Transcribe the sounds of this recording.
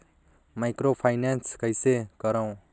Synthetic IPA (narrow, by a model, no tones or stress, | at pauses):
majkropʰajnanskʌjseɡ̥ʌɾaw̃